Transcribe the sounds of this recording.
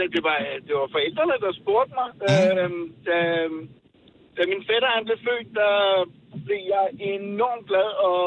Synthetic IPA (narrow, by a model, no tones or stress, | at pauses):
ɛd̥e̝ʋɑ̈æd̥e̝ʋɑ̈fɒ̽el̰d̥ʁɐnəd̥ɑ̈sb̥o̝ɐ̰d̥̚mɑ̈ɪød̥æ | d̥æminfeɾɐɑnd̥lefø̰ːdd̥ɑ | b̥le̝jɑ̈ɪe̝nɒ̰mɡ̥lɛðˠɒ̽